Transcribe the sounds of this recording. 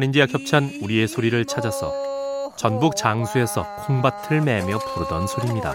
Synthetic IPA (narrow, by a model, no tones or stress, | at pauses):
nind͡ʑijakçjʌp̚t͡ɕʰʌnuɾie̞sʰoɾiɾɯɭt͡ɕʰad͡ʑasʰʌ̰t͡ɕʌnbuk̚t͡ɕaŋsʰue̞sʰʌ̰kʰoŋbatʰɯɭmeamjʌpuɾɯdʌnsʰoɾimɲida̰